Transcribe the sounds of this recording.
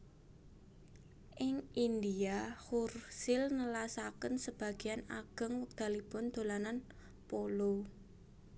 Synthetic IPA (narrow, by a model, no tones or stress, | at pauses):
ʔɪŋind̪iahursɪlnəlasakənsəb̥a̤ɡ̥i̤anaɡ̥əŋwək̚d̪̥a̤lib̥ʊnd̪̥o̤lanan | polo